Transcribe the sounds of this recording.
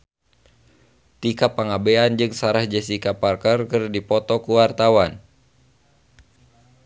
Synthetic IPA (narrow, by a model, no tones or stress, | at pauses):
t̪ikapːaŋabeand͡ʒɨŋsaɾahd͡ʒəsikaparkərkɨrdipɔt̪ɔkuwart̪awan